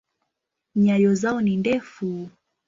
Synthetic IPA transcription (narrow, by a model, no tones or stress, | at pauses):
ɲajɔzaɔnindɛfu